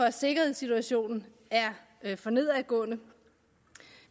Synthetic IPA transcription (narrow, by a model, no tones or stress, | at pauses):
ɒ̽se̝ɡ̥ɐhe̝ð̰ˠsit͡sʰuæɕo̝̰ːnn̩ | æɐ | fɒ̽ne̝ð̞̰ˠʁɐɡ̥ɔ̰̽ːnə